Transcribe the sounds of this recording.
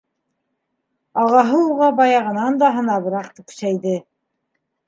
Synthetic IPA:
ɑʁɑɦɤuʁɑbɑjɑʁɤ̆nɑnd̪ɑɦɤ̆nɑβɤ̆ɾɑqt̪ɘkɵ̥̆sæjðɘ

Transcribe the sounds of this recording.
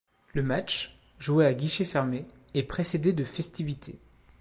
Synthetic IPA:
ləmat͡ʃ | ʒueaɡʲiʃefɛʁmeepχesed̪ed̪əfɛst̪ivit̪ʰḛ

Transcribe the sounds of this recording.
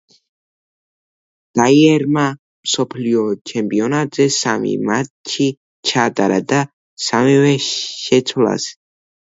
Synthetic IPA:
d̪̥aiɛɾma | msɔpʰliɔt͡ʃʰɛmpʼiɔnat̪zɛsamḭmatt͡ʃʰi | t͡ʃʰad̪ʼaɾa̰d̪a | samivɛʃɛt̪sʰwla̰s

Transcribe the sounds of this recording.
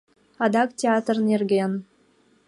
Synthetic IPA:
ɑd̪ɑktʲeɑt̪rnerɡʲen

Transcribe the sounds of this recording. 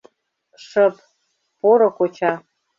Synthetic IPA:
ʂəp | poɾokʷot͡ɕʰa

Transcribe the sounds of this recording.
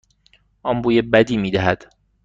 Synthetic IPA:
ʔɒmbuːjebæd̪iːmiːd̪æɦæd̪̥

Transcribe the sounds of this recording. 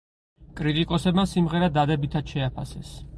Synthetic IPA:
kʼɾit̪ʼikʼɔsɛbmasimʁɛɾad̪ad̪ɛbit̪ʰat̪ʃɛapʰa̰sɛ̰s

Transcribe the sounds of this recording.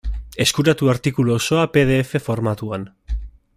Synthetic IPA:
e̞skuɾat̪uaɾt̪ikuloso̞ape̞ð̞e̞ːfe̞fo̞ɾmat̪uan

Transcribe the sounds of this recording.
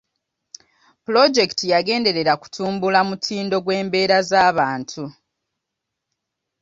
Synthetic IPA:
pulo̞d͡ʒe̞ktijaɡe̞ːnde̞ɾe̞ɾaku̥tʰuːmbulamutʰiːndo̞ɡwe̞ːmbe̞ːɾazaːβaːntʰu

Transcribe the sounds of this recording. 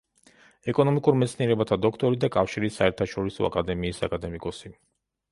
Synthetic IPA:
ɛkʼɔnɔmikʼuɾmɛt̪sʰniɛɾɛbat̪ʰad̪ɔkʰt̪ʼɔɾid̪akʼafʃiɾisːaɛɾt̪ʰaʃɔɾisɔ̰a̰kʼad̪ɛmiːsa̰kʼad̪ɛmikʼɔsi

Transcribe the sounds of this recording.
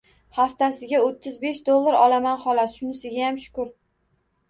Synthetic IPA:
haft̪asɪɡʲaot̪ʰːɪzbe̞ʃd̪olˠːaɾɒlamanχɒlat̪ʃʊnɪsɪɡʲajamʃʊ̥kʊɾ

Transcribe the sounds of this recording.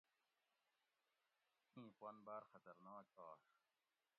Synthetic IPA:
ĩːpwɐnbaːɾxɐt̪ɐɾnɑːk̚ɑː

